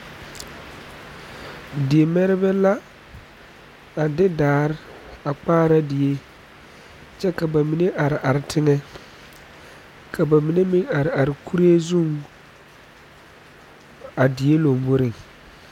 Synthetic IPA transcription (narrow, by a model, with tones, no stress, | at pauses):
dɪ˨e˨mɛ˦ɾɪ˦bɛ˦la˦ | a˨dɪ˦daː˨˦ɾɪ˦a˨k͡paː˦ɾa˦dɪ˨e˦ | t͡ʃɛ˦ka˨ba˨mi˨ne˦ʔa˨ɾɪ˨ʔa˨ɾɪ˨tʰɪ˦ŋɛ˦ | kʰa˨ba˨mi˨ne˦mɪ˦ŋa˨ɾɪ˨a˨ɾɪ˨kʰu˦ɾe˦zu˦˨ŋ | a˨dɪ˨e˦lo˨mbo˦ɾɪ˨ŋ